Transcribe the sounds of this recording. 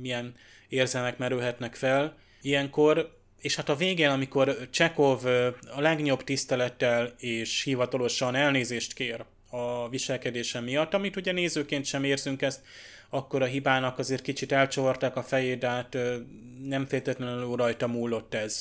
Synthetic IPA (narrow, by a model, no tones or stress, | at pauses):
mijɛn | eːrzɛlmɛkmɛɾylɦɛt̪nɛkfɛl | ijɛŋko̞r | eːʃhat̪ɒveːɡeːnɒmiko̞rt͡ʃɛko̞vɒlɛɡɲo̞bt̪ist̪ɛlɛt̪ːɛleːʃhivɒt̪ɒlo̞ʃɒnɛlneːzeːʃt̪keːɾ | ɒviʃɛlkɛd̪eːʃɛmːijɒt̪ːɒmit̪uɟɛneːzøːkeːnt̪ʃɛmeːrzyŋkɛst̪ | ɒkːo̞ɾɒɦibaːnɒkɒzeːrt̪kit͡ʃit̪ɛlt͡ʃoort̪aːkɒfɛjeːd̪ɛɦat̪ː | nɛɱfeːlt̪ɛt̪lɛnløːɾɒjt̪ɒmuːlːo̞t̪ːɛz̥